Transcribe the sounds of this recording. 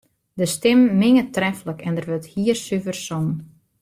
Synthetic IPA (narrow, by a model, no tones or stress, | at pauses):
dəstɪmːɪŋətrɛfləkɛndərʋøthiːərsyvərsɔn